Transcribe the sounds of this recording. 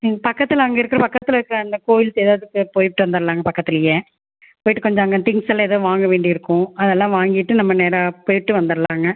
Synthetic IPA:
iŋɡɐpɐkːɐt̪ːɪlɐɐŋɡɐɪɾɯkːɯɾɐpɐkːɐt̪ːɯɪlɐɪɾɯkːɾɐɐnd̪ɐkoːjɪlseːðaːʋðɯkːɯpoːjʈːɯʋɐnd̪ɐɾɐlaːŋɡɐpɐkːɐt̪ːɪlɐje | poːjɪʈːɯkɔɲd͡ʒɐɐŋɡɐnt̪ɪŋsɐlːãeðoːʋaːŋɡɐʋeːɳɖiɪɾɯkːʊ̃ɐðɛlːãːʋaːŋɡɪʈːɯnɐmːɐneːɾɐpoːjɪʈːɯʋɐnd̪ɐɾlaːŋɡɐ

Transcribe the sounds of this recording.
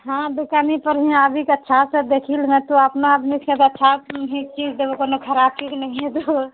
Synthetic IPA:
ɦãb̪ekanipəɾɦĩabʱikətːʃʰasəd̪ekʰilmẽt̪oəpnaəb̪nikẽt̪ətːʃʰaɦik̚t͡ʃid͡ʒd̪eokonokʰəɾapiknɛɦĩɦet̪u

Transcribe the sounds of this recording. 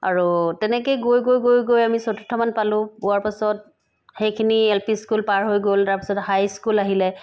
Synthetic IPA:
a̰ɹutɛnɛk̬ejɡojɡojɡojɡojamisɔtu̥tʰɔmanpalʊ̃bʊaɹpasɔt | xejkʰiniɛlpiskulpaɹɦojɡoltaɹpi̥sɔthajskulaɦilɛ

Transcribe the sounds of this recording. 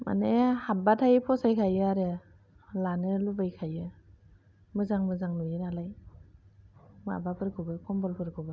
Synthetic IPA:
ma̰nehabatʰajpʰɔsajkʰajɯaɾɯ | lanɯlubajkʰajɯ | mɯzaŋmɯzaŋlujɯnalaj | mɯa̰bapʰɯɾkʰɯbɯkʰɔmbɔlpʰɯɾkʰɯbɯ

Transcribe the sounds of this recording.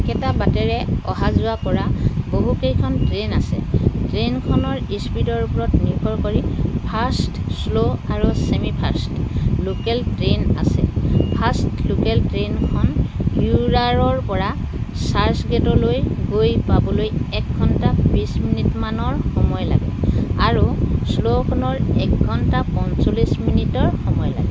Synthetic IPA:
kɛtabatɛɹɛɔɦazʊakɔɹaboɦukejkʰɔntɹenasɛ̰tɹenkʰɔnɔɹispidɔɹupɔɹɔtniɹkɔɹkoɹipʰastsloaɹusemipʰastlokɛltɹena̰sɛ̰pʰastlokɛltɹenkʰɔnuɹaɹɔɹpɔɹa | saɹsɡɛtɔlojɡojpabɔlojɛk̚ɡʱɔntabisminitmanɔɹxɔmɔjla̰ɡɛ̰aɹuslokʰɔnɔɹɛkɡʱɔntapɔnsolisminitɔɹxɔmɔjla̰ɡɛ

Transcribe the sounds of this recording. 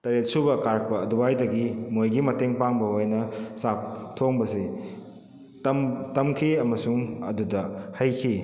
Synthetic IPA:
tɐɾet̚subɐkaɾk̚pɐːdubajdɐɡimojɡimɐteŋpaŋbɐojnɐsak̚tʰoŋbɐsi | tɐmtɐmkʰiɐmɐsuŋɐdudɐhɐjkʰi

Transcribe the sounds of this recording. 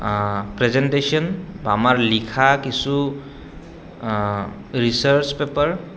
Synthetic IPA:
pɾezenʈesiɔnbamaɹlikʰakisu | ɹisəɹt͡ʃpepəɹ

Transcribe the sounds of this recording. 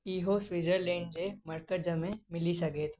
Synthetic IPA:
iːɦosʋid͡ʒəɾlẽːɳɖd͡ʒemɐɾkəʈ̚d͡ʒɐmẽmɪlisɐɡeːt̪

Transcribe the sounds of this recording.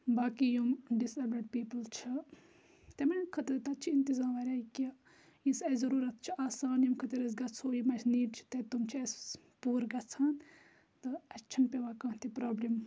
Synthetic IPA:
baːkijomɖisɐbɾɐɖ̚piːpəlt͡ʃʰɐ | t̪emɐnkʰɐt̪ɐɾt̪ɐt͡ʃʰiint̪izaːmɐɾʲaːika | jĩnsɐzɐɾuːɾɐt̪̚t͡ʃʰiaːsaːnjimkʰɐt̪ɐɾɐs̬ɡɐt͡sʰoːjimɐsʰniːɖt͡ʃʰi̥t̪et̪umt͡ʃʰies | puːɾɡɐt͡sʰaːn | t̪ɨɐt͡ʃʰɐnpʲeʋaːkãːnt̪ipɾaːblim

